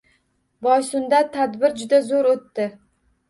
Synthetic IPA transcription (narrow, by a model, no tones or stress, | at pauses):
bɒjsʊnd̪at̪ʰad̪bɪɾd͡ʒʊd̪azoɾot̪ːɪ